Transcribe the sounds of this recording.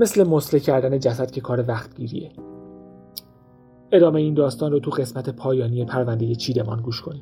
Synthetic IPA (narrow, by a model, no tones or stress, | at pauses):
me̞sle̞moslecʰæɾd̪æne̞d͡ʒæsæd̪̥̚cʰʲe̞kʰɒːɾevæxt̪ɟiːɾḭe | e̞d̪ɒːme̞jeiːnd̪ɒːst̪ɒːnrot̪ʰuɢe̞smæt̪ʰe̞pʰɒːjɒːniːepʰæɾvænd̪e̞je̞t͡ʃʰiːd̪e̞mɒːnɡuːʃkʰo̞niːm